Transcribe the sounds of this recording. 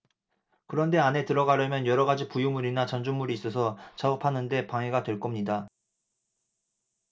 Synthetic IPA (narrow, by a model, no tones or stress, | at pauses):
kɯɾʌnde̞ane̞tɯɾʌɡaɾjʌmjʌnjʌɾʌɡad͡ʑipujumuɾinat͡ɕand͡ʑuŋmuɾiːs͈ʌsʰʌt͡ɕaopʰanɯnde̞paŋɦe̞ɡatwe̞ɭk͈ʌmɲida